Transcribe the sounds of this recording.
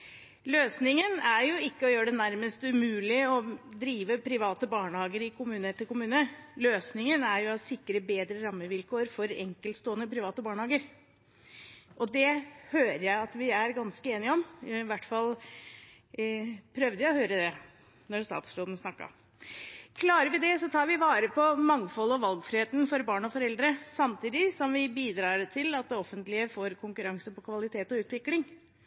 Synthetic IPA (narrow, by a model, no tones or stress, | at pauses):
løːsnɪŋənæɾjʊɪkːəɔjøːəɖɛnæɾməst̪ʉmʉːlɪɔd̪ɾiːʋəpʰɾɪʋɑːt̪əbɑːɳəhɑːɡəɾɪkʰʊmʉːnəʈ̪ʰɪlkʊmʉːnəløːsnɪŋənæɾjʊɔsɪkːɾəbeːd̪ɾəɾɑmːəʋɪlkʰoːɾfɔɾɛ̰ŋkəlt̪st̪oːənəpʰɾɪʋɑːt̪əbɑːɳəhɑːɡəɾ | ʔɔd̪ɛhøːɾəjæɪɑt̪ʋɪæɾɡɑnskəeːnɪɔmʋæʈːfɑl | pʰɾœʋd̪əjæɔhøːɾəd̪ɛ | nɔɾst̪ɑ̰ːt̪sɾoːd̪nsnɑkːɑ̰ɾm | kʰlɑːɾəɾʋɪd̪ɛsɔt̪ʰɑːɾʋɪʋɑːɾəpʰɔmɑŋfɔlɔʋɑlɡfɾɪheːt̪n̩fɔɾbɑːɳɔfɔɾɛld̪ɾəsɑmt̪ʰiːd̪ɪsɔmʋɪbiːd̪ɾɑːɾt̪ʰɪlɑt̪̚d̪ɛɔfːənt̪lɪəfoːɾkʰʊŋkʉɾɑŋsəpɔkʰʋɑlɪt̪ʰeːt̪ɔʉːt̪ʋɪklɪŋ